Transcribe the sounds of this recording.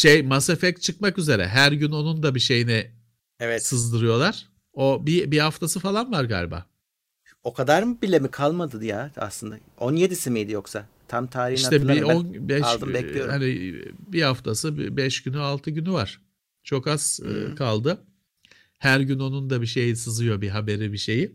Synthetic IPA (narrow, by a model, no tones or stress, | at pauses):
ʃejmasefɛct͡ʃʰɯkmakyze̞ɾɛ̰ɦæɾɟynonund̪abiʃe̞jinɛ | ɛvɛsɯzd̪ɯɾɯjo̞lˠaɾ̥ | o̞bibihaft̪ʰasɯfalˠanvaɾɡa̰ːlʲba̰ː | o̞kʰad̪aɾbilʲemikʰalˠmad̪ɯd̪ɯjaa̰slˠɯnd̪a̰onjed̪isimijd̪ijo̞ksa | t̪ʰamt̪ʰaːɾihiʃnat̪ɛionbɛʃʃd̪ɯbɛlʲijoɾhanibihaft̪ʰasɯb̰bɛʃɟ̥ynyalˠt̪ʰɯɟynyvaɾ̥ | t͡ʃʰo̞kaz̥̰kʰalˠd̪ɯ | hæɾɟyno̞nund̪abiʃe̞jisɯzɯjo̞biɦabe̞ɾibiʃe̞ji